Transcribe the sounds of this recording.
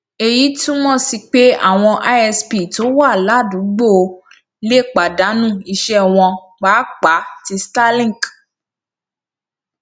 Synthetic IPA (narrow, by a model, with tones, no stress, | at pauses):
e˧ji˨˦tũ˦mɔ̃˦˨si˧k͡pe˦a̰˦˨w̃ɔ̃˧ʔa˦ɛ˧spi˨to˦wa˦˨la˨˦˨dũ˨˦ɡ͡bo˦˨o˧˦ | le˦˨k͡pa˨da˨˦nũ˦˨i˧ʃɛ˦w̃ɔ̃˧ | k͡pa˨˦k͡pa˨˦ti˧sta˦lĩ˦˨k